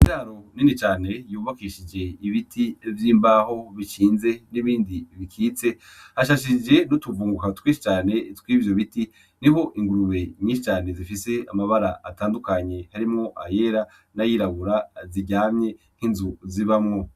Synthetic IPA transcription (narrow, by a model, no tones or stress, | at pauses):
iaɾo̞ninit͡ʃaːne̞juːβakiʃid͡ʒeiβitʰivjiːmbaho̞βit͡ʃiːnze̞niβiːndiβikʰiːt͡se̞ | haʃaʃ̬id͡ʒe̞nutuvuːŋɡukatwiːʃi̥t͡ʃaːne̞twivjoβiti | niβo̞ʔiŋɡuɾuβe̞ɲĩːʃit͡ʃaːne̞zifise̞amaβaɾaʔataːndukaɲe̞haɾimŋo̞ʔaje̞ɾa | najiːɾaβuɾaziɟaːmɲe̞n̥hinzuziβamŋo̞